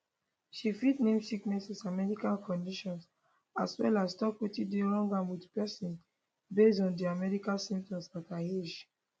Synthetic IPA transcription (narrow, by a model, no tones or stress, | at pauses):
ʃifitnẽmsiknɛsasamɛɹikãnkʰɔ̃ndiʃɔ̃ns | aswɛ̰lastɔkwetideɹɔ̃ŋɡãnwidpɛsĩn | besdɔ̃ndiamɛɹikasĩmp̚tɔ̃msataed͡ʒ